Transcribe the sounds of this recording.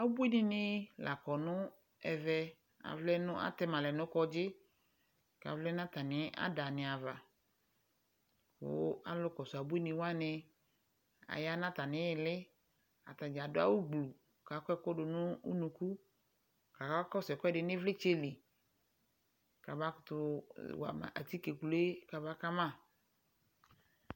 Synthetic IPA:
a˨wo˦bu˦i˦nĩ˦nɪ̃˦la˨kɔ˨nʊ̃˦ | ɛ˨vɛ˦ | a̰˨vlɛ˦nʊ̃˦ʔa̰˦t̪ɛ˦mã˨lɛ˨nʊ̃˦kɔ˦d͡ʒɪ˦ | ka̰˨vlɛ˦nã˦t̪a˨nɪ̃˨˦ʔa̰˦da˨nɪ̃˨a˨va˨ | wʊ̰˦a̰˨lʊ˦kɔ˨sʊ˨a˨bu˦i˦nĩ˨wa˦nɪ̃˦ | a̰˨ja˦nã˦t̪a˨nɪ̃˨˦˨lɪ˦ | a̰˨t̪a˨d͡ʒa˨dʊ˦a̰˦wu˦ɡ͡blu˨ | ka˨kɔ˦ɛ˦kɔ˦ɖʊ˨nʊ̃˦ṵ˦nũ˨ku˦ | ka˨ka˦kɔ˦sɛ˨kɔ˦ɛ˦ɖɪ˨nɪ̃˦vlɪ˦t͡ʃe˦li˨ | ka˨ba˦kʊ˨t̪ʊ˦wa̰˨m̰˨ʔa̰˨t̪i˦ke˨ku˨le˦ka˨ba˦ka˦mã˦˨

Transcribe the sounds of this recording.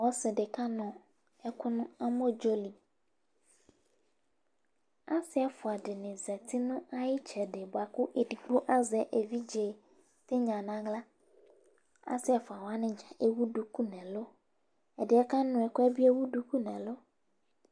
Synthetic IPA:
wɔ˦sɪ˨ɖɪ˨ka˦nɔ̃˨ | ɛ˦kʊ˦nʊ̃˦a˦mõ˦d͡ʒo˦li˨ | a˦sɪ˦a˨fʊ˨a˨ɖɪ˨nɪ̃˨zɛ˨t̪i˦nʊ̃˦a˦ji˦t͡ʃʰɛ˨ɖɪ˨bo˨a˨kʊ˦ʔe˨di˨ɡ͡bo˦ʔa˦zɛ˦ʔe˨vi˦d͡ʒe˨ | t̪ɪ˦ɲã˨nã˦ɡla˦ | a̰˦sɪ˦a˨fʊ˨a˨wo˨˦a˦nɪ̃˨d͡ʒa˨ʔe˦wu˦ɖu˨ku˦nɛ̃˨lo˦ | ɛ˨dɪ˨˦ɛ˦ka˦nʊ̃˨ɛ˨kʊ˦ɛ˦bi˦e˦wu˦ɖu˦ku˦nɛ̃˨lo˦

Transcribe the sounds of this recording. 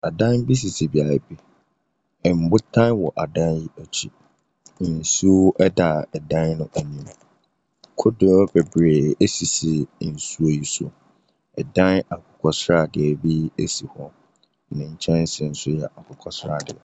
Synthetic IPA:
a˨dã˦nbi˦s̬i˨si˨bi˨a˨ɾa˨bi˦ | ɛ˨m̩˨bʊ˦tʰã˦nwɔ˨ʔa˨dã˦nji˦ɔ˨t͡ɕʰi˨˦˨ | n̩˨su˦ɛ˦da˨ɛ˨dã˦nnʊ̃˦ʔæ˨nĩ˦m | kʰʊ˦do˨˦bɛ˨bɾe˨e˦si˨si˨n̩˨su˦o˨ji˨sʊ̰˨ | ɛ˨dã˦na˨kʰʊ˨kʰɔ˨sɾa˦˨dɪ˨ɛ˨bi˦e˦si˨hɔ˦ | nɪ̃˨ɲ̩˨t͡ɕʰɛ̃˦n̩˦sɪ̃˨n̩˨˦sʊ˦jɛ˨ʔa˨kʊ˨kʰɔ˨sɾa˦˨dɪ̰˨

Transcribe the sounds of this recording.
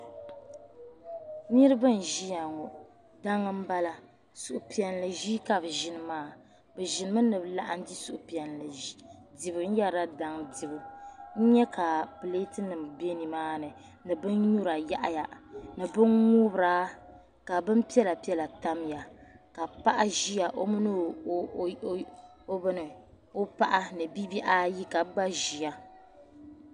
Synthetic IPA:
ni˦ɾɨ˦bɨ˦n̩˨ʒi˦ja˨ŋɔ˨ | da˦ŋːɨ˦m̩˦ba˦la˨ | su˨ʔʊ˨pi˨ɛ˨n˨lɨ˨ʒiː˦ka˦bʒɪ˨nɨ˨maː˦˨ | bɛ˨ʒɪ˨nɨ˨˦ma˦nɨ˨bla˨ʔa˨n˦di˦su˨ʔʊ˨pi˨ɛ˨nlɨ˨di˨bɨ˨n̩˦ja˦ɾa˦da˦ŋdi˨bɨ˨n̩˦ɲɛ˦ka˨pɨ˨le˦tɨ˦nɨ˨m˨be˦ni˨maː˦nɨ˨ | nɨ˨bɨ˦nɲu˦ɾa˨ja˦ʔa̰˦ja˨nɨ˨bɨ˦nŋu˦bɾaː˦ | ka˨bɨ˦m˦pi˦ɛ˦la˨pi˦ɛ˦la˨ta˦mja˨ka˨pa˦ʔa˦ʒi˦ja˨ʔo˦mɨ˦nɨ˦ | o˦bɨ˦nɨ˨ | o˦pa˦ʔa˦nɨ˨bi˦bi˦ʔa˦ji˦ka˨˦ɡ͡ba˦ʒi˨ja˦

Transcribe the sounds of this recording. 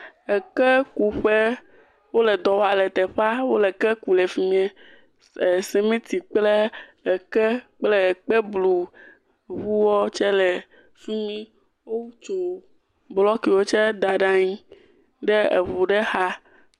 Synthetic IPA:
ɛ˨kɛ˦ku˨ɸe˦ | wo˦lɛ˨d̪ɔ˨wo˦a˨lɛ˨t̪ɛ˨ɸa˦wo˦lɛ˨kɛ˦ku˨lɛ˨fi˨mĩ˦e˦˨ | sɛ˨mẽ˦t̪i˨k͡ple˦˨kɛ˦k͡plɛ˦˨k͡pɛ˦blu˨ | βu˦wɔ˦t͡ʃɛ˦lɛ˨ | fi˦mĩ˦ | wo˦t͡ʃo˨ | blɔ˦ki˨wo˦t͡ʃɛ˦d̪a˨ɖa˦ɲĩ˦ | ɖɛ˦ḛ˨βu˨ɖɛ˦ha˦

